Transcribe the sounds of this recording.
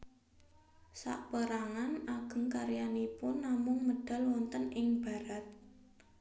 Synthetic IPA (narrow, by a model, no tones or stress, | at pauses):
sa̰ʔpəɾaŋanaɡ̥ə̤ŋkaɾjanipʊnːamʊŋməɖ̥a̤lwɔnt̪ənɪŋb̥a̤ɾat̪̚